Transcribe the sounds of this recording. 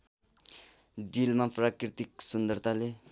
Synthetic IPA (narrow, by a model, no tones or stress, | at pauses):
ɖilmaprakɾit̪ik̚sund̪ʌɾt̪ʰale